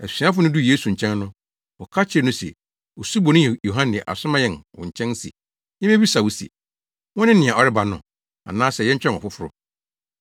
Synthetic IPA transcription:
æ˨sĩ˨˦ã˦fʊ˦nʊ̃˦du˦je˦su˨ɲ̩˨t͡ɕʰɛ̃˦nːʊ̃˦ | ɔ˨kʰa˦t͡ɕʰɪ˦ɾnʊ̃˦sɛ̰˨ | ɔ˨su˦bɔ˨nɪ̃˦˨jo˨ɦã˦nɪ̰̃˨ʔa̰˨sʊ˦mã˦jɛ˦nwɔ̃˨ɲ̩˨t͡ɕʰɛ̃˦n˦sḭ˨ | ɲɛ̃˦mẽ˦bi˦sa˨wu˨sḭ˨ | wɔ̃˦nɪ̃˦nɪ̃˨ã˨ɔ˨ɾɪ˦ba˨nʊ̰̃˨ | ã̰˨nãː˦sɛ˨jɛ˦ɲ̩˦t͡ɕᶣɛ̃˦nɔ̰˨fʊ˦fʊ˦ɾʊ˦

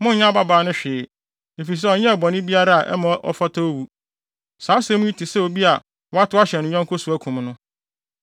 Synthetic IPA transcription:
mʊ̃˦ɲã˦ba˦baː˨˦nʊ̃˦ɕᶣɪ˨ | e˨fi˨s̬ɛ˦ɔ˨ɲɛ̃˦˨bɔ̃˨nɪ̃˦bi˦a˦ɾa˦a˨ʔɛ̰˦mã˨˦ʔɔ̰˦fa˦tʰa˦o˦wu˨ | saː˨˦sɛ˦mũ˦i˦tʰi˨sɛ˦o˨bi˦a˨ | wɔ˦a˦tʊ˦a˦ɕɛ˨nɪ̃˨˦ɲ˦ɛ̃˦ŋkʰʊ˦su˨æ˦kʰũ˨mnʊ̃˦

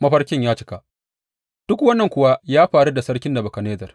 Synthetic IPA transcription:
mɐ˦ɸɐ˦rkʲɪ˦ɲjaː˦t͡ʃɪ̥˦ka˨ʔ | d̥ʊ˦kwɐ˦nːɐ˨ŋkʷʊ˨wa˦jaː˦ɸaː˨ɽu˦da˨sɐ˦ɽkʲɪ˦nda˨bɐ˨kɐ˨neː˦zɐ˨r

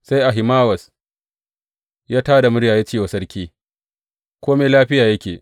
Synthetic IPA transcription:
sa˦jʔa˨ɦɪ˨maː˦wɐ˨s | jaː˦taː˦da˨mʊ˦ɽjaː˨jaː˦t͡ʃeː˦˨wa˨sɐ˦ɽkʲiː˦ | kʷoː˦meː˦laː˦ɸɪ˦jaː˨jɐ˦kʲeː˨

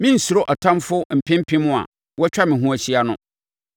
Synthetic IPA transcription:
mɪ̃˦n̩˨su˨ɾo˦ʔɔ˨tʰã˦mfʊ˦m̩˨pʰɪ̃˦m˦pʰɪ̃˦mʊ̃˦a̰˨ | wɔ˦t͡ɕᶣa˦mɪ̃˨ɦũ˦æ˨ɕi˦a˨nʊ̃˦

